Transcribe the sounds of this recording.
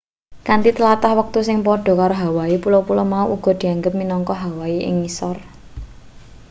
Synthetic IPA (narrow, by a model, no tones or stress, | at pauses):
kant̪it̪əlat̪ahwək̚t̪usɪŋpɔɖ̥ɔ̤kaɾoɦawaepulopulɔmauʔuɡ̥ɔ̤d̪̥i̤aŋɡəp̚minɔŋkɔɦawaiʔɪ̰ŋːisɔr